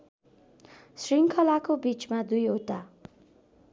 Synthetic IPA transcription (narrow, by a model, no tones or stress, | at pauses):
sriŋkʰʌlakobit͡smad̪ujɦot̪a